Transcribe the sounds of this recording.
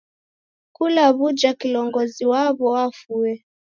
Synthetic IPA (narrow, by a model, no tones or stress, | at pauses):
kulaβud͡ʒakilɔŋɡɔziwaβɔwafuɛ